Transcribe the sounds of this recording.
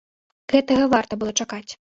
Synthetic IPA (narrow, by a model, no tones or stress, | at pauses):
ɣɛt̪ɐɣɐvart̪ɐbɨlˠɔt͡ʂakat͡sʲ